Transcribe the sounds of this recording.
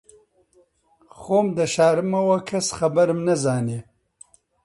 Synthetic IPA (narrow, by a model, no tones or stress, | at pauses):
xoːmd̪əʃɑːɾmawakʰasxabaɾmnazɑːne